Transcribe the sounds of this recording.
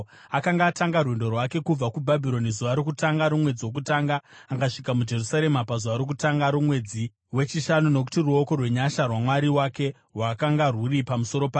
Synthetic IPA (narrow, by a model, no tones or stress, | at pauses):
akaŋɡaːtaŋɡarwe̞ndo̞rwake̞kub͡vakubʱabʱiɾo̞nizuʋaɾokutaŋɡaɾumwe̞d͡ziwo̞k̬utaːŋɡaːɡaʂikamud͡ʒe̞rusaɾe̞mapazuʋaɾokutaŋɡaɾumwe̞d͡zi | we̞t͡ʃiʃanuno̞k̬u̥tiruo̞ko̞rwe̞ɲaʃarwamwaɾiwake̞ | rwakaŋɡarwuripamuso̞ɾo̞paː